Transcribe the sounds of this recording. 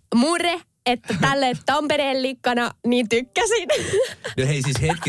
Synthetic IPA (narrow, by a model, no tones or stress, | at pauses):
mure | et̪ːæt̪ælːet̪t̪ɑmpeɾeːllikːɑnɑniːt̪ykːæsinnoeisishet̪̚ki